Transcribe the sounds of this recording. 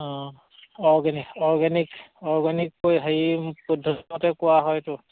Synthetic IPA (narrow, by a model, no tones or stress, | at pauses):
ɔ̃ | ɔɹɡɛnikɔɹɡɛnikɔɹɡanikːojɦeipudʱɔɔtɛkʊwaɦɔjtʊ